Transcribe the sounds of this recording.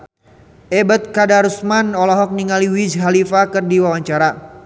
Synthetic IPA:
ɛbət̪̚kadaɾusmanɔlɔɦɔk̚niŋaliwisɦalifakɨrdiwawaɲt͡ʃaɾa

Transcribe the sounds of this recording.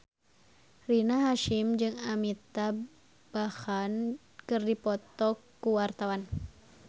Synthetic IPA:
rinaɦaʃimd͡ʒɨŋamit̪a | b̥ahan | kɨrdipɔt̪ɔkː | uwart̪awan

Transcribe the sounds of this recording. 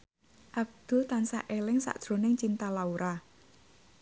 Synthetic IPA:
ʔab̚d̪̥ṳt̪ansa̰ʔelɪŋsa̰ʔd̥ʒ̥ɾo̤nɪŋt͡ʃint̪alauɾʔa

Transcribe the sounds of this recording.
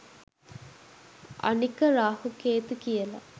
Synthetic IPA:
ʔa̰nikəɾaːhukeːt̪ukijəla̰

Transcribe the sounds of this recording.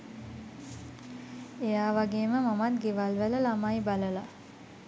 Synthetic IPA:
ejaːʋaɡeːməmamat̪ɡeʋalʋələlamajbaləla

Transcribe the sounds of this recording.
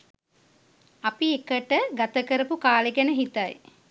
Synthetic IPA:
apiekəʈəɡat̪əkəɾəpukaːleɡɛnəɦit̪aj

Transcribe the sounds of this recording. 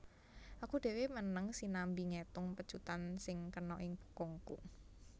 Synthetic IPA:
ʔakuɖ̥e̤wemənəŋsinambiŋet̪ʊŋpəd̥t͡ʃut̪ansɪŋkənɔʔɪŋb̥u̥kɔŋku

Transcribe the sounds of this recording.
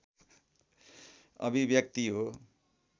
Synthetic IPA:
ʌ̰bibjʌk̚t̪iɦo

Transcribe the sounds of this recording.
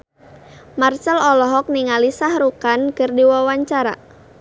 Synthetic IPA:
mart͡ʃəlɔlɔɦɔk̚niŋalisahɾukankərdiwawaɲt͡ʃaɾa̰

